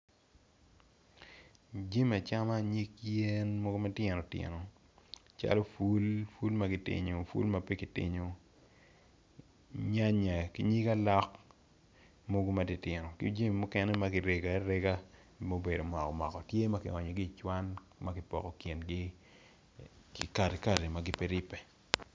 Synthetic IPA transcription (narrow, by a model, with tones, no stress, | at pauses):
d͡ʒi˦ma˨t͡ʃa˦ma˦ɲi˦kje˦nmo˦ɡo˦ma˦tjɛ˨nɔ˨tjɪ̰˨no˨ | t͡ʃa̰˦lo˦fu˦lfu˦lma˦ɡɪ˨tɪ̰˨ɲo˨fṵ˦lma˨pe˦kɪ˨tɪ̰˦ɲo˨ | ɲa˦ɲa˨ki˦ɲi˦ka˦lɔ˦k | mo˦ɡo˦ma˨ti˦tɪ˨nɔ˨kɪ̰˦d͡ʒe˦mi˨mo˦kɛ˦nɛ˦ma˦ɡɪ˨˦ɾe˨ɡa˨˦ɾɛ˦ɡa˦ | mo˦be˨do˨mwɔ˨kɔ˨mɔ̰˨kɔ˨tje˦ma˦kɪ̰˨ɔ˨ɲɔ˨ɡi˦˨t͡ʃwa˦n | ma˦kɪ˨pɔ̰˨kɔ˨kje˨nɡɪ˦ | ki˨ka˦˨ɾe˨ka˨ɾe˨ma˦ɡɪ˦pe˦ɾɪ˦pɛ˨